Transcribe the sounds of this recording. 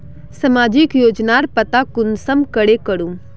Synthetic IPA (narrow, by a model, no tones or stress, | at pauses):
sɐmaːd͡ʒɪkjoːd͡ʒnaɾpət̪akʊnsəmkəɽekəɽũm